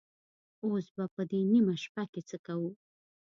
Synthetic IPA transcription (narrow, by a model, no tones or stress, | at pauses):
osbapəd̪enimaʃpaket͡səkawu